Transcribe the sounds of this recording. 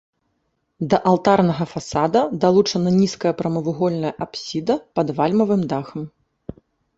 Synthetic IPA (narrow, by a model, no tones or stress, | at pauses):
d̪ɐʔalˠt̪arnɐɣɐfasad̪ɐd̪alˠut͡ʂɐnɐnʲiskɐjɐpɾɐmɐvuɣɔlʲnɐjɐʔapsʲid̪ɐpɐd̪valʲmɐvɨmd̪axɐm